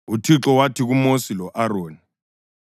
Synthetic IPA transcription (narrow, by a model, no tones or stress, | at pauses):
utʰiǁɔwatʰiɣumosilɔʔaɾoːni